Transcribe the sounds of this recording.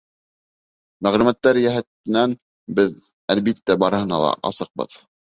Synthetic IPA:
mæʁlʉmæt̪ːæɾjæɦæt̪ɘ̆næn | bɘð | ælbit̪ːæbɑɾɤ̆hɤ̆nɑ̰lˠɑ̰ʔɑ̰sɤq̚bɤ̰ð

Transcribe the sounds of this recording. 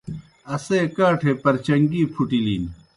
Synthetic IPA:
ɐseːkaːʈʰeːpɐɾt͡ɕɐŋɡiːpʰuʈiliːn

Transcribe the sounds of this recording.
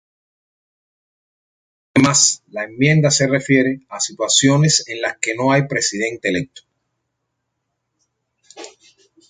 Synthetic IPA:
ðemaslae̞mːjẽ̞nd̪ase̞re̞fje̞ɾeasit̪wasjo̞ne̞senlaske̞no̞ajpɾe̞siðẽ̞nt̪eele̞k̚t̪o̥

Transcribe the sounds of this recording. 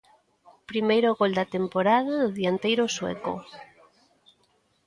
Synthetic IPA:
pɾimejɾoɣold̪ɐt̪empoɾaðaðʊðiant̪ejɾoswḛko̰

